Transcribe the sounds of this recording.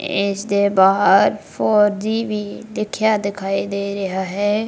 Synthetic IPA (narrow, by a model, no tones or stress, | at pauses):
ɪsd̪eːbaːɦəɾpʰoːɾd͡ʒiːʋiːlɪkʰjaːd̪ɪkʰaːiːd̪eːɾɪɦaːɦɛː